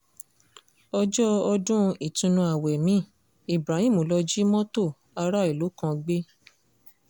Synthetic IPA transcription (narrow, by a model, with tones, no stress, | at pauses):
ɔ˧d͡ʒɔ˦ɔ˧dũ˦˧i˨tũ˧nũ˧a˨wɛ˨mĩ˨˦˨ | i˨bɾa˨˦hĩ˦˨mo˨lɔ˧d͡ʒi˦mɔ̃˦to˦˨ | a˧ɾa˦i˨lo˨˦kã˧ɡ͡be˦